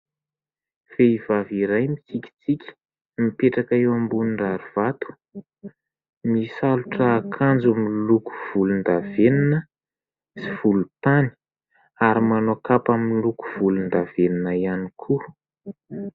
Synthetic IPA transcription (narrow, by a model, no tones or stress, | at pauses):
feiv̥aviɾajmit͡sikʲi̥t͡sikʲə̥ | mipeʈ͡ʂakaewambunuɳɖ͡ʐaɾuv̥at̪u̥ | misaluʈ͡ʂəːkʰand͡zumiluku̥v̥ulund̪aveninə | siv̥ulut̪ani̥ | aɾimanokapamiinluku̥v̥ulund̪av̥eninajanikʰu